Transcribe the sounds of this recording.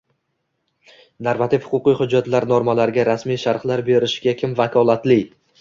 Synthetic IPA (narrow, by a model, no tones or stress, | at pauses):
naɾvat̪ʰɪfhʊ̥qʊqɨjhʊd͡ʒːat̪laɾnoɾmalaɾɡʲaɾasmijʃaɾχlaɾbe̞ɾɪʃɡʲakʲʰɪmvakʰɒlˠat̪lɪ